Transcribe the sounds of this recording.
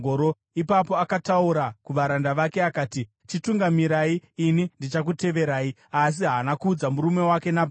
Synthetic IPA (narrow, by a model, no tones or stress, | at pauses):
oɾo | ipapo̞akatauɾakuʋaɾandaʋake̞akaːti | t͡ʃituŋɡamiɾaiːnindit͡ʃak̬ute̞ʋe̞ɾaːi | as̬iɦaːnakuːd͡zamuɾume̞wake̞nab